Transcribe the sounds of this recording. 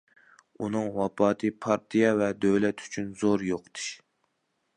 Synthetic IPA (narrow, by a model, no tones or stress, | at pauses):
unɨŋwɑpɑːt̪ʰɨpʰɑɾt̪ʰijɑvɛd̪øwlɛt̪ʰy̥t͡ʃʰynzoɾjoqt̪ʰɨ̥ʃ